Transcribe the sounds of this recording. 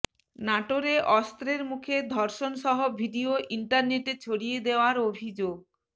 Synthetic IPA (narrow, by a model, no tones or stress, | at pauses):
naʈoɾeʔɔst̪ɾeɾmukʰed̪ʱɔɾʃonʃɔɦobʱiɖioʔiɳʈaɾneʈet͡ɕʰoɽijed̪eoaɾobʱid͡ʑoɡ̚